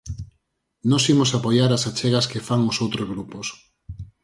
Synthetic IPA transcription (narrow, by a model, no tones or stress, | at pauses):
nɔsimʊsapojaɾasat͡ʃɛɣɐskefaŋosowt̪ɾozɣɾupos